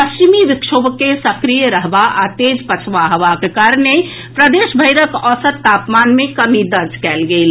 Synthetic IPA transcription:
pɐst͡ʃimiʋɪkʃoːbkesɐkɾijəɾəɦbaʔat̪eːd͡ʒpɐt͡ʃʰʋaɦəʋakekaːɾəne | pɾəd̪eːʃbʱəɪɾəkɔːsət̪ːaːpmaːnmẽkɐmid̪ɐɾd͡ʒʱkɛːlɡəil

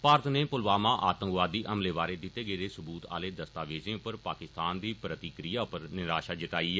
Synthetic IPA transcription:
paːɾət̪neːpʊlʋaːmãːʔaːt̪ə̃ŋkʋaːd̪ːiːʔəmleːʋaːɾeːd̪ɪt̪ːeːɡəeːd̪eːsʊbuːt̪a̰ːleːd̪əst̪aːʋeːzẽːʊpːəɾpaːkɪst̪aːnd̪iːpɾət̪ikɾijaːʊpəɾnɪɾaːʃaːd͡ʒɪt̪aːiː

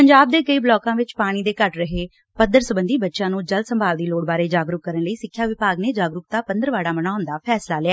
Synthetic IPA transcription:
pəɲd͡ʒaːb̚d̪eːkəiːblɔːkãːʋɪt͡ʃpaːɽ̃iːd̪eːkəʈɾəɦeː | pəd̪əɾsəbənd̪iːbətːʃãːnũːd͡ʒəld̪səmbʱaːld̪iːloːɽbaːɾeːd͡ʒaːɡɾʊkːəɾənləiːsɪkʰːjaːʋɪpaːɡneːd͡ʒaːɡɾʊk̚t̪aːpənd̪əɾʋaːɽaːmənaːʊnd̪aːpʰɛːslaːlɪɛː

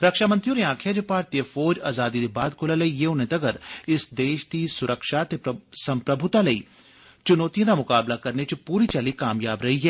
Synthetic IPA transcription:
ɾɐkʃaːmɐnt̪ɾioːɾeãːkʰjɐd͡ʒepaːɾt̪ijəfɔːd͡ʒaːzaːd̪id̪ebaːd̪̚kʰolalɐijeʊnẽt̪ɐɡəɾɪsd̪eːʃt̪isʊɾʔəkʃaːt̪esɐ̃mpɾɐbʱʊt̪alɐḭ | t͡ʃʊnoːt̪ijõd̪amʊkaːblakɐɾnet͡ʃepuːɾit͡ʃɐlikaːmjaːbɾɐɦiɦɛː

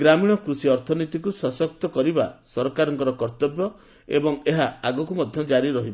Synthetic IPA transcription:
ɡɾamiɽ̃ɔkɾusiɔɾt̪ʰɔnit̪ikusɔsɔk̚t̪ɔkɔɾibasɔɾɔkaɾɔŋkɔɾɔkɔɾt̪ɔbjɔ | ebɔŋeɦaaɡɔkumɔd̪ʱjɔd͡ʒaɾiɾɔɦibɔ

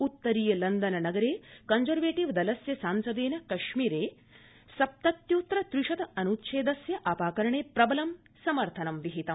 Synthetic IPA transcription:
ut̪ːɐɾiːjɐlɐnd̪ɐnɐnɐɡɐɾeːkɐnzɐɾʋeːʈiʋd̪ɐlɐsjɐsaːnsɐd̪eːnɐkɐʃmiːɾeː | sɐp̚t̪ɐt̪juːt̪ɾɐt̪ɾuʂɐt̪ɐɐnut̪ʃʰeːd̪ɐsjɐʔɐːpaːkɐɾɐɳeːpɾɐbɐlɐm | sɐmɐɾt̪ʰɐnɐmʋiɦit̪ɐm

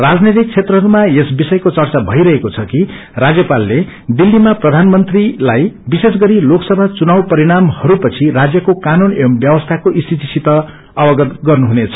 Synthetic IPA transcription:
rad͡znet̪ik̚t͡sʰet̪rʌɦʌɾumaesbisʌjkot͡sʌrt͡sabʱʌjɾʌɦekot͡sʰʌki | rad͡zjʌpalːe | d̪ilːimaprʌd̪ʱanmʌnt̪rilajbisesɡʌɾiloksʌbʱat͡sunawpʌɾiɽ̃amhʌɾupʌt͡sʰirad͡zjʌkokanunembjʌbʌst̪ʰakoʔist̪ʰit̪isit̪ʌ | ʌbʌɡʌt̪ɡʌrnuɦunet͡sʰʌ̥

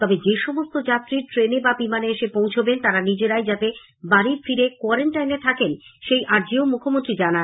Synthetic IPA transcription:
t̪ɔbed͡ʑeʃɔmost̪od͡ʑat̪ːɾiɾʈɾenebabimaneeʃepõw̃t͡ɕʰobent̪aɾanid͡ʑeɾajd͡ʑat̪e | baɾiɾfiɾekɔaɾeɳʈajnet̪ʰakenʃejʔaɾd͡ʑiomukʰomont̪ɾid͡ʑana

